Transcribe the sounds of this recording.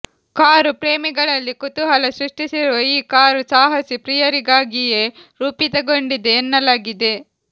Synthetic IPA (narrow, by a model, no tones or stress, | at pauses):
kaːɾupɾeːmiɡɐɭɐlːikut̪uɦɐlɐsɾuʂʈisiɾuʋɐiːkaːɾusaːɦɐsipɾijɐɾiɡaːɡije | ɾuːpit̪ɐɡoɳɖid̪eːnːɐlaːɡid̪e̞